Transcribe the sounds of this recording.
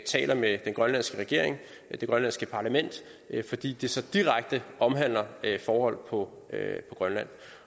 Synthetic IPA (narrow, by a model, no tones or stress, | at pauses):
t͡sʰɛ̰ːlʔɐmed̥enɡ̥ʁɶnlæn̰sɡ̥əʁɛɡ̥e̝ɐ̰eŋ | d̥e̝ɡ̥ʁɶnlænsɡ̥əpʰɑ̈læmen̰d̥ | fɒ̽d̥ḭːd̥isɒ̽d̥iʁaɡ̥̚d̥əʔɒ̽mɦæn̰lɐfɒːhɒ̽l̰pʰɒ̽ | øpʰɒ̽ɡ̥ʁɶnlæn̰